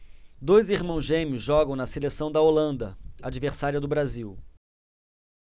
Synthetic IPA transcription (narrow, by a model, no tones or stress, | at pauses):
d̪ojziɾmɐ̃w̃zʒẽmjʊzʒɔɡɐ̃w̃nɐselesɐ̃w̃d̪ɐolɐ̃nd̪ɐad͡ʒiveɾsaɾiɐd̪ʊbɾaziw